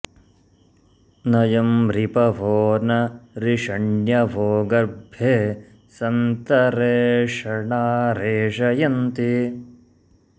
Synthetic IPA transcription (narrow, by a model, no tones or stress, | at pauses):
nɐjɐmɾipɐʋʱoːnɐɾiʂɐɳjɐʋʱoːɡɐɾbʱeː | sɐnt̪ɐɾeːʂɐɳaːɾeːʂɐjɐnt̪i